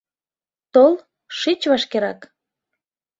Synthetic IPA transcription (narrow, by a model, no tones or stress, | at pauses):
t̪ol | ʃit͡ɕβɑʃkeɾɑk